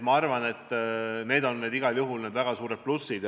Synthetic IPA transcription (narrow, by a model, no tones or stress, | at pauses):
mɑɑrvɑne̞t̪ːˑne̞ːd̪o̞nːeːd̪iɡ̥ɑljuɦulned̪væɡ̥ɑsuːɾet̪̚plusid̪̥